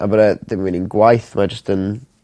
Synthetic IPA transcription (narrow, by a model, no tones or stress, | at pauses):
ʔa̰bəɾəd̪ɪmwɪnɪnɡwajθmad͡ʒəstʰən